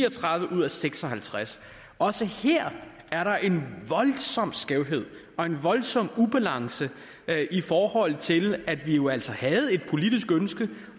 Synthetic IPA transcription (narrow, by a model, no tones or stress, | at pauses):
ɒt͡sʰʁɑ̈ðˠʋəʔuð̰ˠæseɡ̥sɒ̽hælt͡sʰʁas | ɒ̽səheɐ̰ | æɐɾɑ̈ʔe̝nʋɒ̽l̥sɒ̽m̰sɡ̥ɛʊ̰ɦe̝ð̞̰ˠ | ɒ̽e̝nʋɒ̽lsɒ̽m̰ub̥ælɑ̈ŋsə | ʔifɒːhɒ̽l̰t͡sʰe̝læd̥ʋijo̝æl̰sɒhæð̞̩ˠe̝d̥̚pʰo̝lid̥isɡ̥ønsɡ̥ə